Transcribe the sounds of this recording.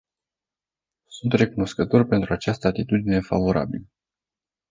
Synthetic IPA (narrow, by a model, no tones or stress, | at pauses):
sunt̪re̞kuno̞skət̪o̞rʲpe̞nt̪ɾuat͡ʃast̪əat̪it̪ud̪ine̞fa̰vo̞ɾa̰bilə